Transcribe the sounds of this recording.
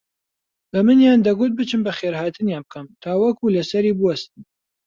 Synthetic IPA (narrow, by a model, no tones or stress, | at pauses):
bɐmɨnjand̪ɐɡut̪̚bɨt͡ʃɨmbɐχeɾhaːt̪ʰɨnjaːnb̚kʰɐmt̪ʰaːwɐkulɐsɐɾibuwɐst̪ɨm